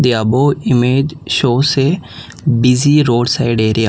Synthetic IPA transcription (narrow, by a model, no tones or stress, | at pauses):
d̪ɪjaːboːɪmeːd͡ʒʃoːse | biziːɾoːɖsaːɪɖeːɾɪjaː